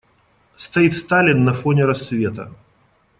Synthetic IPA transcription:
st̪ɐit̪st̪alʲɪnːɐfonʲɪɾɐsːvʲe̞t̪ə̰

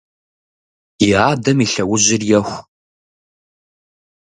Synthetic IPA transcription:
ɪaːdɐmiɬɐwʊʑɪrjɛxʷ

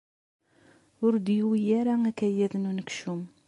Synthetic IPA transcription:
ʊɾd̪jiwijæɾæækæjæðnunəkʃum

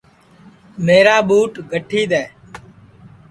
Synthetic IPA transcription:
meːɾaːɓuːʈɡʱəʈʰiːɗ̪ɛː

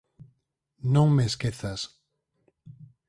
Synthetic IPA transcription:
nõŋmeskeθas

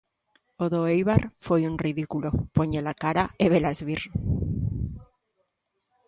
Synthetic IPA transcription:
oðoejβaɾfojunriðikulopoɲelakaɾaeβelazβiɾ

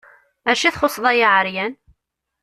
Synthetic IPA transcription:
æʃiθχʊsˤðˤæjaʕəɾjæn

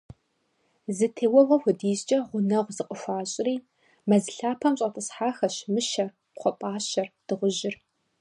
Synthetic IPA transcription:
zɨtʰeːwɐvɐxʷʊdiːzt͡ʃʼɐʁʷʊnɐʁʷzɨqʼəxʷaːɕʼɪriː | mɐzɨɬaːpʰɐmɕʼɐtʰɨsħaːxɐɕmɨʃɐr | qʷʰɔpʷʼaːɕɐrd̥ɨʁʷʊʑɪr

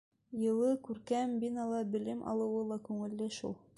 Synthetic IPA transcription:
jɤ̆lˠɤkʉɾkæmbinɑlˠɑbɘ̆lɘmʔɑ̰lˠɤ̆wɤlˠɑkʉŋɘ̆lːɘʃṵlˠ

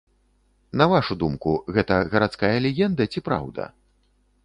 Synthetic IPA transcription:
nɐvaʂud̪umkuɣɛt̪ɐɣɐɾat̪skajɐlʲɛɣʲɛnd̪ɐt͡sʲipɾa̰wd̪ɐ̰

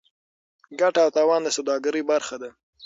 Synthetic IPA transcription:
ɡaʈaːwt̪ɑwɑnd̪əsawd̪ɑɡəɾəjbaɾxad̪a

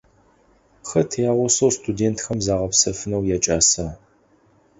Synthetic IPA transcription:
xɐtʰjaːʁʷʊsɐwstʰʼudeːntʰxɐmzaːʁɐpsɐfɨnɐwjaːt͡ʃʼaːsɐ

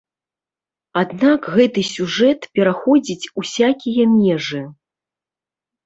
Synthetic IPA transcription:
ad̪nakɣɛt̪ɨsʲuʐɛt̪pʲɛɾaxɔd͡zʲit͡sʲusʲakʲijɐmʲɛʐɨ

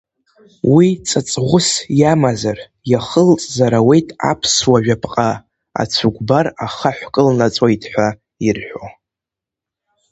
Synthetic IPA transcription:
wit͡sʼat͡sʼʁʷʊsjamazar | jaχəlt͡sʼzaɾawe̞jtʼa̰pʰswaʒᶣapʰʼqʼa | a̰t͡sʷʰuɡʷbaraχaħʷkʼɨlnat͡sʼaitʰʼħʷa | irħʷᶣo̰

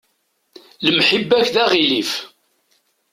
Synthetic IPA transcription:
ləmħəbːæçðæʁilif

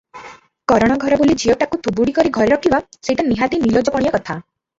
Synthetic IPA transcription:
kɔɾɔɽ̃aɡʱɔɾɔbolid͡ʒiɔʈakut̪ʰubuɽikɔɾiɡʱɔɾeɾɔkʰibaseʈaniɦad̪inilɔd͡ʒɔpɔɽijakɔt̪ʰa

